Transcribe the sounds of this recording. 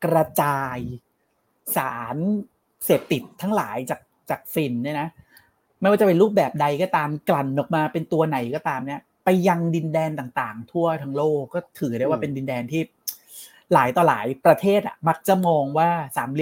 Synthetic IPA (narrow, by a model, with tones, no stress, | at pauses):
kɾa˧t͡ɕaː˧j | saː˩˦n | seː˨˩p̚t̪i˨˩t̪̚ʰːaː˦˥ŋlaː˩˦jt͡ɕaː˨˩k̚t͡ɕaː˨˩k̚si˨˩nːiː˥˩na˦˥ | m˥˩jwaː˥˩t͡ɕpe˧ɾuː˥˩p̚bɛː˨˩p̚da˧jkɔː˥˩t̪aː˧mkla˨˩nːɔː˨˩k̚maː˧pe˧nt̪u˧ɐna˨˩jkɔː˥˩t̪aː˧mni˦˥˩ɐ | pa˧jːa˧ŋdi˧ndɛː˧nt̪aː˨˩ŋt̪aː˨˩ŋt̪ʰu˥˩ɐt̪ʰaː˧ŋloː˥˩kːɔː˥˩t̪ʰɯː˩˦daː˥˩jwaː˥˩pe˧ndi˧ndɛː˧nt̪ʰiː˥˩ | laː˩˦jt̪ɔː˧laː˩˦jpɾa˧t̪ʰeː˥˩t̪̚ʔa̰˨˩ma˦˥k̚t͡ɕa˨˩mɔː˧ŋwaː˥˩saː˩˦nli˧˦